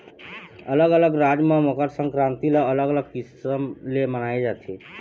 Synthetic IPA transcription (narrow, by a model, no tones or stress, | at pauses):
ələɡələɡɾad͡ʒmemokəɾsəŋkɾant̪iləːləɡələɡ̚kisəmlemənaed͡ʒat̪ʰe